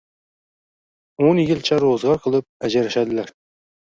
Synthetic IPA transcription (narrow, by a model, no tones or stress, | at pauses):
onjɪlˠt͡ʃʰɛɾozʁɑɾqʰəlˠɨp̚æd͡ʒæɾæʃæd̪ɪlæɾ